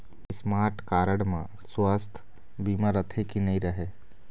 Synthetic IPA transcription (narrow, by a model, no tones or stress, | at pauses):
ɪsmaːɾʈkaːɾəɽmã̰ | swast̪ʰ | biːmaɾət̪ʰekinɐɦĩɾɐɦeː